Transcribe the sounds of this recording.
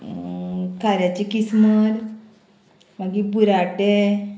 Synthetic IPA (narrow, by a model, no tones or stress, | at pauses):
kʰaɾjat͡ɕikisməɾ | maɡibuɾaʈe